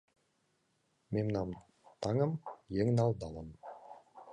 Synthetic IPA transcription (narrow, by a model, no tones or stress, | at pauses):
memnɑm | t̪ʰɑŋəmjeŋnɑlˠd̪ɑlˠəm